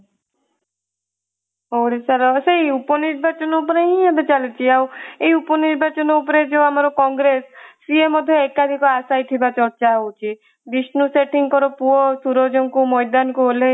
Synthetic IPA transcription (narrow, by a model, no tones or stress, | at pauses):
ɦowɽesaɾɔsejupɔniɾbat͡ʃɔnɔup̬ɔɾeĩɦad̪et͡ʃalut͡ʃʰiaweiupɔniɾbat͡ʃɔnɔupɔɾed͡ʒewamaɾɔkɔŋɡɾesː | iemːɔd̪ʱjɔekad̪ʱikɔasajt̪ʰibat͡ʃɔɾt͡ʃaɦowt͡ʃʰi | bisnuseʈiŋkɔɾɔpuɔsuɾɔd͡ʒɔŋkumɔjd̪anɔkuɦole